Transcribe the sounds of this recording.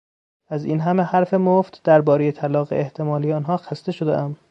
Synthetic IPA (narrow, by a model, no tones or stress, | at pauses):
æzḭːnɦæme̞hæɾfe̞moft̪d̪̥æɾbɒːɾeje̞t̪ʰælɒːɣḛeht̪ʰe̞mɒːlijeɒːnɦɒːxæst̪eʃod̪ḛʔæm